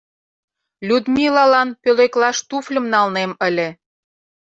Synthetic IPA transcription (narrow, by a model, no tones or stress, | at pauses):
lʲud̪mʲilɑlɑnpøleklɑʃt̪uflʲə̆mnɑlnemə̆lʲĕ